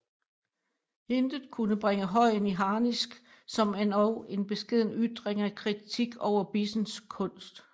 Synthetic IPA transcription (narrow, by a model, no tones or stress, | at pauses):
he̝nd̥ð̩ˠkʰunəb̥ʁeŋəɦɒ̽ɪ̰niɦɑ̈ːnisɡ̥ | sɒ̽menɒʊe̝nb̥e̝sɡ̥e̝ð̞̰ˠn̩yd̥ʁeŋækʰʁit͡sʰiɡ̥ɒʊ̰ɐb̥isn̩skʰɔ̽n̰sd̥